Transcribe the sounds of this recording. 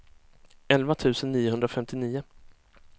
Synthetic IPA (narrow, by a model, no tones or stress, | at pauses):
ɛlvat̪ʰʉ̟ːsənːiːʊɦɵnd̪ɾafɛmt̪ʰɪniːʊ